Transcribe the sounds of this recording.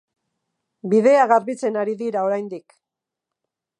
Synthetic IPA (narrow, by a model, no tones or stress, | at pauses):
biðe̞aɣaɾβit͡se̞naɾiðiɾao̞ɾajnd̪ik